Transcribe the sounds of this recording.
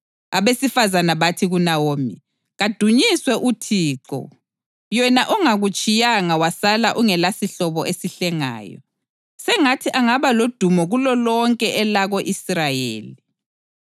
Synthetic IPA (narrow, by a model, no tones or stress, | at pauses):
aβesifazanaβatʰiɣunawoːmḭ | ɣad̥ʱuɲiswɛʔutʰiːǃɔ̰ | jɛnaʔɔŋaɣut͡ʃʼijaŋawasalaʔuŋɛlasiɬɔβɔʔesiɬɛŋa̰ːjɔ̰ | sɛŋatʰiʔaŋaβalod̥ʱumɔɣulɔlɔŋkʼɛʔɛlaɣoʔisrajḛːli